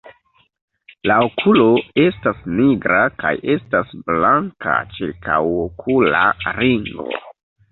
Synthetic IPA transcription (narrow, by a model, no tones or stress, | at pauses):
laokʰulo̞e̞stasniɡɾaka̰je̞stasblaŋka̰t͡ʃiɾkʰawokʰula̰ɾiŋɡo̰